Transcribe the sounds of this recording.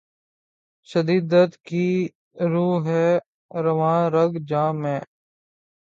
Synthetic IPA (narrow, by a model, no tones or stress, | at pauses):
ʃəd̪iːd̪ət̪kiː | ɾuːɦɛː | ɾəʋãːɾəɡd͡ʒãːmɛ̃ː